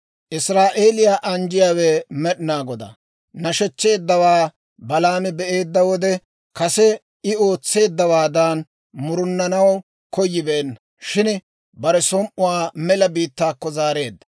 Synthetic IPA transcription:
ʔɪsɾaːʔe̞ːlɪjaːʔɐnd͡ʒɪjaːwɛmɛɗɪnaːɡɔd̪ɐ̰ | nɐʃɛt͡ʃːe̞ːd̪ːɐwaː | bɐlaːmɪbɛʔe̞ːd̪ːɐwɔd̪ɛ | kɐsɛ | ɪo̞ːt͡sːe̞ːd̪ːɐwaːd̪aːn | mʊɾʊnːɐnɐw | kɔjːɪbɛnːɐ | ʃɪn | bɐɾɛsɔmʔʊwaːmɛlɐbiːt̪ːaːkːɔzaːɾe̞ːd̪ːɐ̥

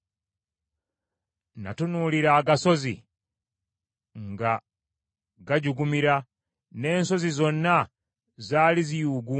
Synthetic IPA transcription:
na̰tunuliɾaːɡaso̞zḭ | ŋɡa | ɡaɟuɡumiɾa | ne̞ːnso̞zizo̞nːa | zaːlizijuɡu

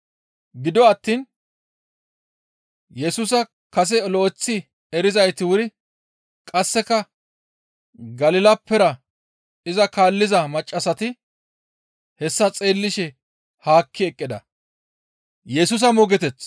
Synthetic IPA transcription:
ɡɪd̪ɔɐt̪ːiːn | jɛsuːs̬ɐ | kɐs̬ɛloːt͡sːɪ | ɛɾɪzɐjt̪ɪwʊɾɪ | kʼɐsːɛkɐ | ɡɐlɪlɐpːɛɾɐ | ɪzɐkaːlːɪzɐmɐt͡ʃʼːɐsɐt̪ɪ | hɛsːɐt͡sʼe̞ːlːɪʃɛ | haːkʰːɪɛkʼːɪd̪ɐ̰ | jɛsʊːs̬ɐmɔɡɛt̪ɛt͡sː

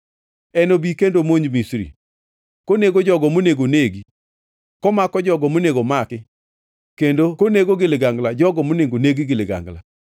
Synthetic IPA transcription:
ɛnobikendomoɲd͡ʒmisɾḭ | koneɡod͡ʒɔɡɔmoneɡoneɡi | kɔmakɔd͡ʒɔɡɔmoneɡomakɪ | kendokoneɡoɡɪlɪɡaŋɡlad͡ʒɔɡɔmoneɡoneɡiɡɪlɪɡa̰ŋɡla̰

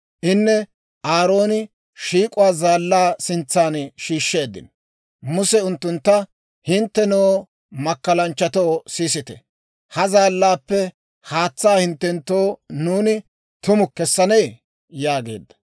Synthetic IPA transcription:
ʔɪnːɛ | ʔaːɾo̞ːnɪ | ʃiːkʼʊwaːzaːlːaːsɪnt͡sːaːnʃiːʃːeːd̪ɪ̰n | mʊsɛʊnt̪ːʊnt̪ːɐ | hɪnt̪ːɛnoː | mɐkːɐlɐnt͡ʃːɐt̪o̞ːsiːsɪt̪ɛ̰ | hɐzaːlːaːpːɛ | haːt͡sːaːhɪnt̪ːɛnt̪ːoːnuːnɪ | t̪ʊmʊkːɛsːɐnej | jaːɡe̞̰ːd̪ːɐ̥

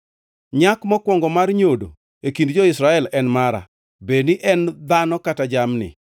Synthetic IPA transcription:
ɲakmɔkwɔŋɡɔmarɲodo̰ | ekindd͡ʒɔɪsɾaɛlɛnmaɾa̰ | beniʔɛnd̪anɔkatad͡ʒamnɪ̰

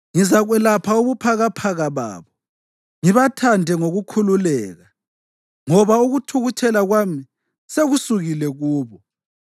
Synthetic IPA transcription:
ŋizaɣwɛlapʰauβupʰaɣapʰaɣaβa̰ːβɔ | ŋiβatʰandʱɛŋoɣukʰululɛːɣa | ŋɔβauɣutʰuɣut͡ʃʰɛlaɣwami | seɣusuɣilɛɣuːβɔ

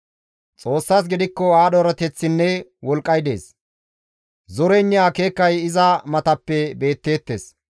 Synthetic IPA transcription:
t͡sʼo̞ːsːaːs̬ɡɪd̪ɪkːɔaːɗɔɾɐt̪ɛt͡sːɪnːɛwɔlkʼːɐjd̪e̞̰ːs | zɔɾɛɪnːɪaːke̞ːkːɐjɪzɐmɐt̪ɐpːɛbe̞ːt̪ːe̞ːt̪ːe̞̰ːs

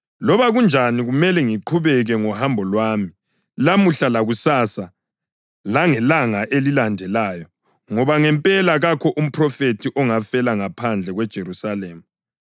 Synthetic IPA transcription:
lɔβaɣund͡ʒʱaniɣumɛlɛŋiǃʰuβɛɣɛŋɔhambʱɔlwaːmi | lamuɬalaɣusasa | laŋɛlaŋaʔelilandʱɛlaːjɔ | ŋɔβaŋɛmpʼɛlaɣakʰɔʔum̩pʰrɔfetʰiʔɔŋafɛlaŋapʰand͡ɮʱɛɣwɛd̥ʒ̥ʱeɾusaleːmu

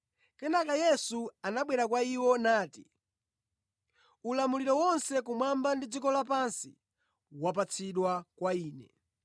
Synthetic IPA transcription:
kɛnakajɛsuanaɓwɛɾak̬waiwɔnaːti | ulamuliɾɔwɔnsɛkumwambandid͡zikɔlapansḭ | wap̬at͡sʰiɗwakwaiːnɛ

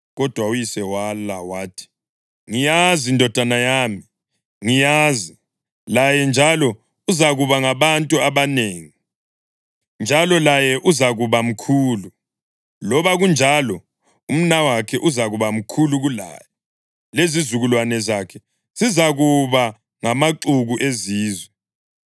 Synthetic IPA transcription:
ɣɔd̥ʱwaujisɛwalawaːtʰi̥ | ŋijazindʱɔd̥ʱanajaːmi | ŋijazi | lajɛnd͡ʒʱalɔ | uzaɣuβaŋaβantʼuaβaneːŋi | nd͡ʒʱalɔlajɛʔuzaɣuβam̩kʰuːlu | lɔβaɣund͡ʒʱalɔ | um̩nawakʰɛʔuzaɣuβam̩kʰuluɣula̰ːjɛ | lezizuɣulwanɛzakʰɛ | sizaɣuβa | ŋamaǃuɣuʔeziːzwɛ

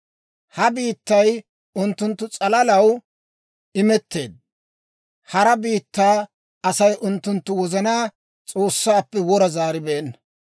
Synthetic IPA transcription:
hɐbiːt̪ːɐj | ʊnt̪ːʊnt̪ːʊt͡sʼɐlɐlɐw | ɪmɛt̪ːe̞ːd̪̚ | hɐɾɐbiːt̪ːaː | ɐsɐjʔʊnt̪ːʊnt̪ːʊwɔzɐnaː | t͡sʼo̞ːsːaːpːɛwɔɾɐzaːɾɪbɛɛnːɐ

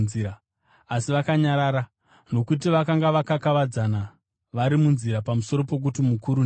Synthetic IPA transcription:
iɾa | asiʋakaɲaɾaːɾa | no̞kutiʋakaŋɡaʋakakaʋad͡zana | ʋaɾimunziɾapamuso̞ɾo̞pe̞k̬utimukuɾun

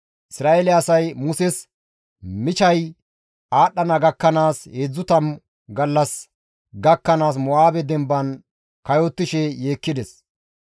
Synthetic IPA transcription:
ʔɪsɾaːʔelɛɐsɐjmʊsɛs | mɪt͡ʃɐj | aːɗːɐnɐɡɐkːɐnaːsheːd͡zːʊt̪ɐm | ɡɐlːɐs | ɡɐkːɐnaːs̬mɔaːbɛd̪ɛmbɐn | kɐjɔt̪ːɪʃɛje̞ːkːɪd̪ɛs

